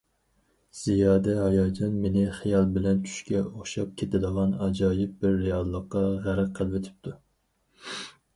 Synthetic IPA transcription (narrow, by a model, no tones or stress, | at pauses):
z̥ijɑːd̪ɛhɑjɑd͡ʒ̪ɑnmenɪχijɑlˠbɪlɛnt͡ʃʰy̥ʃkʲɛoχʃɑp̚kʲʰet̪ʰɪd̪əʁɑnɑd͡ʒɑːjɪp̚bɪɾːejɑlˠːəqːɑʁæɾɨq̚qʰəlˠvet̪ʰɪ̥p̚t̪ʰu